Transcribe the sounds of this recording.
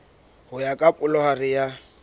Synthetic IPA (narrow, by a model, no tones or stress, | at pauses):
hʊjakʼapʼʊlɔharɪja